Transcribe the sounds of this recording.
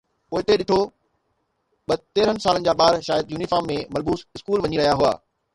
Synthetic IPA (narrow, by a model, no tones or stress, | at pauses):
poːɪt̪eɗɪt̪ʰo | ɓɐt̪eːɾənɪ̆saːlənɪ̆d͡ʑaːɓaːɾʃaːjəd̪̚juːnifaːmːẽmɐlbuːsɪskuːlʋɐɲiɾɐɦijaɦʊa̰ː